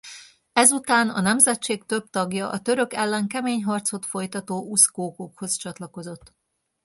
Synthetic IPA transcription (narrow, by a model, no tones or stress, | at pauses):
ɛzut̪aːnɒ̰nɛmzɛt͡ʃeːkt̪ø̞b̚t̪ɒɡjɒʔɒ̰t̪ø̞ɾø̞kɛlːɛŋkɛmeːɲɦɒrt̪so̞t̪fo̞jt̪ɒt̪oːuskoːkokho̞st͡ʃɒt̪lɒko̞zo̞t̪ː